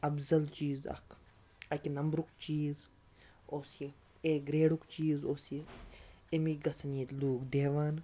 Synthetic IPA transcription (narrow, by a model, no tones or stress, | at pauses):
ɐbzɐlt͡ʃiːzɐ̰kʰ | ɐkʲinɐmbɾukt͡ʃiːz | oːsi | eɡɾeːɽukt͡ʃiːzoːsi | emiɡɐsʰniːt̪luːkd̪eːʋaːn